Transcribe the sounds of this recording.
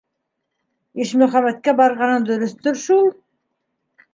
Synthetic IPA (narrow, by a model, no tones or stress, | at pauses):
eʃmɵχɑmæt̪̚kʲebɑɾʁɑnənd̪ɵɾʏst̪ʏɾʃulˠ